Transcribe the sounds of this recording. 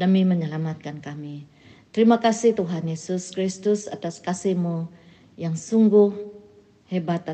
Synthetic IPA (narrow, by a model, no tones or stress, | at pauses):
damiməɲəlamat̪̚kankami | t̪əɾimakasɪht̪uɦanjesʊskɾist̪ʊsat̪askasihmu | jaŋsuŋɡʊh | hebat̪a